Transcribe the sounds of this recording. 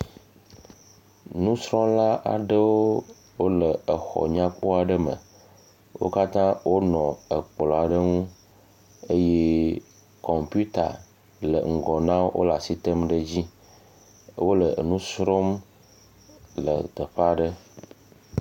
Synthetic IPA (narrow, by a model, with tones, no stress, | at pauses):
nũ˦sɾɔ˦mla˦ʔa̰˨ɖə˦wo˦ | wo˦lə˨ə˨xɔ̰˨ɲã˦k͡pɔ˦a˨ɖə˦mə̰˨ | wo̰˦ka˦t̪ã˦wʔo˦nɔ̃˨ə˨k͡plɔ˨a˨ɖə˦ŋũ˦ | ə˦je˦ | kɔ˨mpu˦t̪a̰˨ | lə̰˨ŋ̩˨ɡɔ˨nã˦wo̰˦la˨si˦t̪ə˦mɖə˦d͡ʑi˦ | wo˦lə˨nũ˦sɾo˦m | lə̰˨t̪ə˨ɸa˨ɖə˦